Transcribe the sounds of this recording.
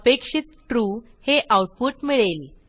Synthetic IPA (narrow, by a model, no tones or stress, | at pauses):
pekʂit̪ʈɾu | heʔawʈ̚puʈmiɭel